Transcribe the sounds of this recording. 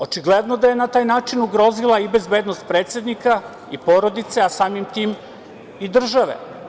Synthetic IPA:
o̞t͡ʃiɡled̪no̞d̪aje̞nat̪aːjnaːt͡ʃinuɡɾo̞zilaibe̞zbe̞ːd̪nost̪̚pɾe̞ːt̪sʲje̞d̪nika | ipo̞ɾo̞d̪it̪se̞asaːmimt̪iːm | id̪r̩ʒaʋḛ

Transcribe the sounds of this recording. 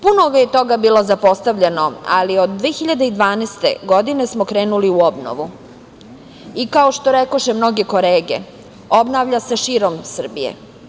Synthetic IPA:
punoɡajet̪o̞ɡabiːlˠo̞zapo̞st̪aʋʎeno̞a̰liod̪ːʋeːxiʎad̪eid̪ʋaːnest̪ḛɡo̞d̪inesmo̞kɾeːnuliuobno̰ʋu | ikaoʃt̪oɾekoʃemno̞ɡe̞ko̞leːɡe̞̰ | o̞bnaːʋʎaseʃiːɾo̞msr̩bijḛ

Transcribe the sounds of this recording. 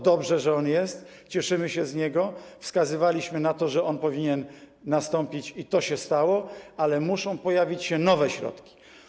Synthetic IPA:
d̪ɔbʐɛʐɛɔnjɛst̪ | t͡ɕɛʂɘmɘɕɛzɲɛɡɔfskazɘvalʲiɕmɘnat̪ɔʐɛɔnpɔvʲiɲɛnː | ast̪ɔmpʲit͡ɕit̪ɔɕɛst̪awɔalɛmuʂɔ̃w̃pɔjavʲit͡ɕɕɛnɔvɛɕɾɔ̰t̪kʲi̥

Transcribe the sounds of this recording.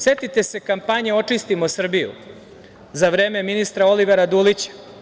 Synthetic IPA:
set̪it̪e̞se̞kampaɲeo̞t͡ʂist̪imo̞sr̩bijṵ | zaʋɾe̞ːme̞minist̪ɾao̞liʋeɾad̪uːlit͡ɕḁ

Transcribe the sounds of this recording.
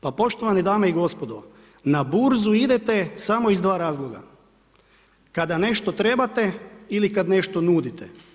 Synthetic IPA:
papo̞ʃt̪o̞ʋanid̪aːmeiɡo̞spod̪o | nabuɾzuid̪et̪e̞samo̞izd̪ʋaːɾaːzlˠoɡa̰ | kad̪ane̞ʃt̪ot̪ɾe̞bat̪e̞ilikad̪ne̞ʃt̪o̞nuːd̪it̪ʰe

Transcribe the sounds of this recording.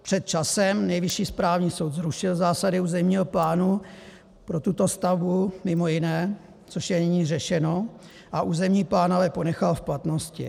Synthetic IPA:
pr̝̥ɛt̪̚t͡ʃasɛmnɛjvɪʃiːspɾaːvɲiːso̞wt̪zɾuʃɪlzaːsadɪuːzɛmɲiːɦo̞plaːnu | pɾo̞t̪ut̪o̞st̪avbumɪmo̞jɪnɛː | t͡so̞ʃjɛnɪɲiːrɛʃɛno̞ | ʔaʔuːzɛmɲiːplaːnovɛpo̞nɛxalfplat̪no̞scɪ̰

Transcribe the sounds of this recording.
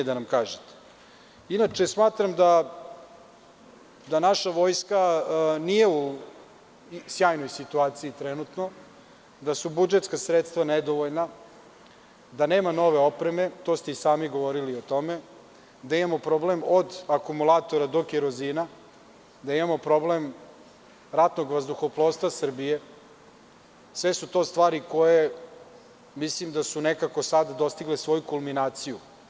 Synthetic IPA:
ed̪anamkaːʒet̪ | inat͡ʂe̞smaːt̪ɾamd̪a | d̪anaʃaʋo̞jskanije̞u | sjaːjno̞jsit̪uaːt̪siit̪ɾenut̪no̞ | d̪asubud͡ʒet̪skasɾet̪st̪ʋaned̪o̞ʋoʎna | d̪ane̞ːmano̞ʋe̞o̞pɾeme̞t̪o̞st̪eisaːmiɡo̞ʋo̞ɾilio̞t̪o̞me̞ | d̪aimamo̞pɾo̞blemod̪akumulaːt̪o̞ɾad̪o̞kjeɾoziːna | d̪aimamo̞pɾo̞blem | ɾat̪no̞ɡʋazd̪uxoplˠo̞ːst̪ʋasr̩bije̞ | sʋesut̪o̞ːst̪ʋaːɾiko̞je | mislimd̪asunekakosad̪ad̪o̞st̪iɡlesʋo̞jukulˠminaːt̪siju

